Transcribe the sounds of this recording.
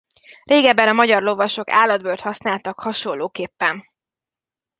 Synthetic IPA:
reːɡɛbːɛnɒmɒɟɒrlo̞vɒʃo̞ka̰ːlːɒd̪bøːlt̪hɒsnaːlt̪ɒkhɒʃo̞lːoːkeːpːɛn

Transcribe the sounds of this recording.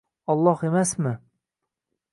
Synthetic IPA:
ɒlˠːɒhemasmɪ

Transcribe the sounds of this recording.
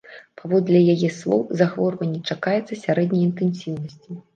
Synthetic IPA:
pavɔd̪lʲɐjajɛslˠɔ̰wzaxvɔrvɐnʲːɛt͡ʂakajɛt̪sːɐsʲaɾɛd̪nʲɐjint̪ɛnsʲiwnɐsʲt͡sʲi

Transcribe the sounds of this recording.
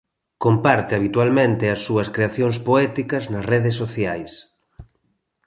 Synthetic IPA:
kompaɾt̪eaβit̪walmẽnt̪ɪɐsːuɐskɾeaθjoŋspoɛt̪ikɐznɐsrɛðes̬ːoθjajs

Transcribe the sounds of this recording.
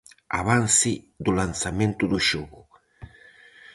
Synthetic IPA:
a̰βansɪ | d̪ulansamẽnt̪ud̪uʃoɣu

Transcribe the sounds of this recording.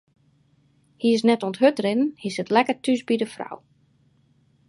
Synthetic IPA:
hiɪs̬nɛtɔnthøtrɪnnhisətlɛkətʰysbidəfra̰w

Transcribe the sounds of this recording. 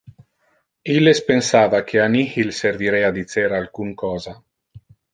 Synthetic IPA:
ilespensaːvakʰeanihilseɾviɾead̪it͡seɾalkuŋkɔːza

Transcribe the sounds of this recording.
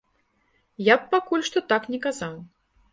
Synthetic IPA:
jap̚pakulʲʂt̪ɔt̪aknʲɛkazaw

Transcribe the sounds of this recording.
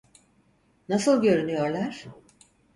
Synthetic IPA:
nasɯlˠɟø̞ɾynyjo̞ɾlˠaɾ̥

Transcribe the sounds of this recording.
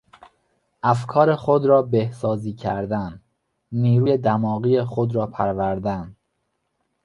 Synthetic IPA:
ʔæfkʰɒːɾe̞xod̪ɾɒːbehsɒːziːcʰæɾd̪æn | niːɾuːjed̪æmɒːɣiːjexod̪ɾɒːpʰæɾvæɾd̪æn

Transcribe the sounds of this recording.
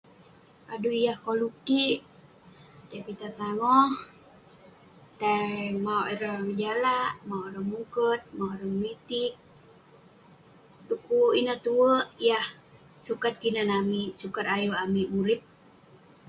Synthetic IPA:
ʔaduijahkoluki | t̪apit̪at̪aŋɔh | t̪amauiɾəŋd͡ʒalaʔmaoɾəŋmukət̪̚mawɾəŋmit̪ik̚ | dukuinəht̪uəjah | sukat̪̚kinənamisukarajuamimulip̚

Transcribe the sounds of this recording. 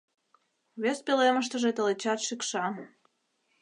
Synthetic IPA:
βes̚peleməʃt̪əʒet̪elet͡ɕɑt̪ʃikʃɑ

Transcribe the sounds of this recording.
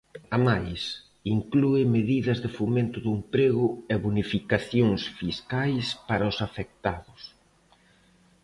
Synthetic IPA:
amajs | iŋkluɪmeðiðɐzðɪfomẽnt̪ʊðuempɾeɣʊɛβunifikaθjoŋsfiskajspaɾɐʊsafek̚t̪aðʊs

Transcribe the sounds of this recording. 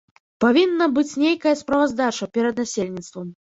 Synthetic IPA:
pavʲinːɐbɨt͡sʲnʲejkɐjɐspɾɐvazd̪at͡ʂɐpʲɛɾɐd̪nasʲelʲnʲit̪st̪vɐm

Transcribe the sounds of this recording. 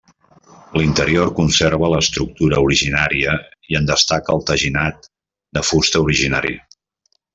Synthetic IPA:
lint̪əɾiorkunseɾβələːst̪ɾuk̚t̪uɾəuɾiʒinaɾiəiənd̪əst̪akəːlˠt̪əʒinat̪ | d̪əfust̪əuɾiʒinaɾḭə̰

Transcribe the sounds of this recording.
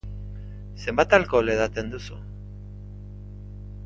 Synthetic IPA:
se̞mbat̪alko̞leðat̪e̞nd̪usṵ

